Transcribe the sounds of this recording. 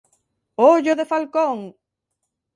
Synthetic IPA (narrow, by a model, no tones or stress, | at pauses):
oʎoðefalkoŋ